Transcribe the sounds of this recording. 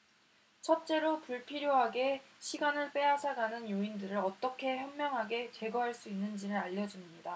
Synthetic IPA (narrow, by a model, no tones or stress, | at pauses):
t͡ɕʰʌt̚t͡ɕ͈e̞ɾopuɭpʰiɾjoɦaɡe̞ɕʰiɡanɯɭp͈e̞ɦasʰaɡanɯnjoindɯɾɯɾʌt͈ʌkʰe̞çjʌnmjʌŋɦaɡe̞t͡ɕe̞ɡʌɦaɭs͈uinːɯnd͡ʑiɾɯɾaʎːʌd͡ʑumɲida